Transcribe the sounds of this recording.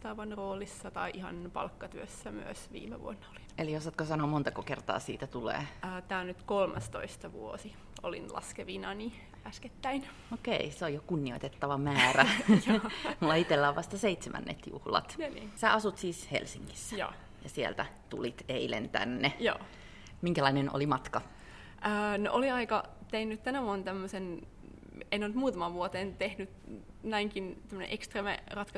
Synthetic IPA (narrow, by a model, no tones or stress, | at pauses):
t̪ɑʋɑnroːlisːɑt̪ɑiʔihɑ̰npɑ̰lkːɑt̪yøsːæmyøsʋḭːmḛʋuonːɑoli̥eliosɑt̪kosɑnomont̪ɑkokert̪ɑ̰ːsḭːt̪æt̪ulḛːt̪æːnyt̪kolmɑst̪oist̪ɑʋuosi | olḭnlɑ̰skeʋinɑni | æsket̪ːæin | okeiseojokunːioit̪et̪ːɑʋɑmæːræ | mulːɑit̪elːæːʋʋɑst̪ɑseit̪semæ̰nːḛt̪jṵhlɑ̰t̪nːsæɑsut̪siːshḛlsiŋki̥sːæ̥jo̰ː | jɑsielt̪æt̪ṵlit̪eilḛnt̪æ̰nːejo̰ː | miŋkælɑineno̰limɑt̪kɑ | ʔəːno̰ʔoliɑikɑt̪einːyt̪t̪ænæʋuont̪æmːøsen | enont̪muːt̪ɑmɑʋʋuot̪eːnt̪ehnyt̪næiŋkint̪æmːø̆nḛ̃ʔekst̪reːmerɑt̪kɑ